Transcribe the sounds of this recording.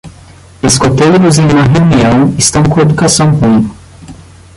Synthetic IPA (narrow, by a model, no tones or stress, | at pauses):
eskot̪ejɾʊzẽj̃ũmɐɦeuniɐ̃w̃ɪst̪ɐ̃w̃kõed̪ukasɐ̃w̃ɦũɡ̪ʊ